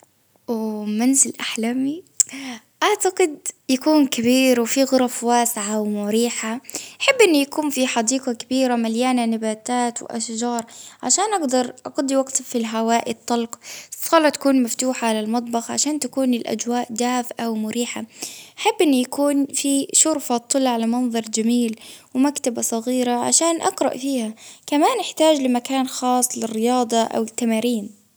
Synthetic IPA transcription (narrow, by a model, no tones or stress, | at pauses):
wmanzɪlʔaħlami | ʔaʕt̪aɡɪd̪jakuːnkabiːɾwfiɣʊɾˤɑfwaːsɪʕawmʊɾiːħaʔaħɪbːʔɪnːujakuːnfiħɑd̪iːqɑkabiːɾamaljaːnanɪbaːt̪aːt̪w̰ʔa̰ʃd͡ʒɑːɾˤʕaʃaːnʔaɡd̪ɑɾˤʔɑɡɑd̪ˤiwaɡt̪filɦawaːʔɪt̪ˤːɑlqsˤɑːlɑt̪ḁkuːnmaft̪uːħaʕalalmɑt̪ˤbɑxʕa̰ʃaːnt̪akuːnɪlʔa̰d͡ʒwaːʔd̪aːfʔawmʊɾiːħaʔaħabːʔɪnːijakuːnfiʃʊɾfɑt̪ˤːɨlːʕalamɑnðˤɑɾˤd͡ʒamiːlwɪmakt̪abasˤɑɣiːɾaʕa̰ʃaːnʔɑqɾˤɑ̰ʔfiːhakamaːnʔɪħt̪aːd͡ʒlɪmakaːnxɑːsˤlɪrːɪjɑːd̪ˤɑʔa̰wɪt̪ːamaːɾiːn